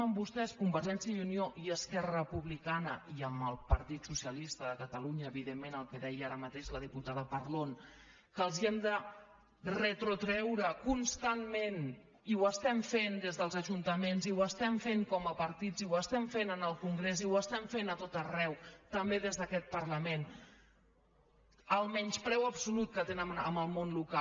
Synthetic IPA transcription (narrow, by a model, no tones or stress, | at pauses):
əmbust̪ɛskumbəɾʒɛnsiəunioʔiəskɛrəpuβlikanəiəməlˠpəɾt̪it̪susiəlist̪əðəkət̪əluɲəːβiðemːenəlˠkəðɛjəaɾəmət̪eʃləðiput̪aðəpəɾlon | kəlˠziɛmd̪ə | rət̪ɾut̪ɾɛwɾəkunst̪anmen | iwəst̪ɛɱfend̪ezðəlˠzəʒunt̪əmenziwəst̪ɛɱfeŋkɔməpəɾt̪id͡ziwəst̪ɛɱfenənəlˠkuŋɡɾeziwəst̪ɛɱfenət̪ot̪ərɛwt̪əmbeðezðəkɛt̪̚pəɾləmen | əlˠmɛɲspɾɛwəbsulut̪̚kət̪enəmə̰məlˠmonluka